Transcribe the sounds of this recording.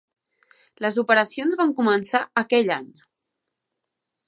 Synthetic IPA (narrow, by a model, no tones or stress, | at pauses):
ləzupəɾəsionzβaŋkumənsaəkɛʎaɲ